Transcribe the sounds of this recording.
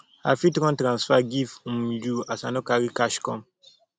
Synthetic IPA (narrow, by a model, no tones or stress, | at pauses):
a̰fitɾɔ̃ntɾãnsfaɡifũmd͡ʒuasa̰nɔkaɾikaʃkɔ̰̃m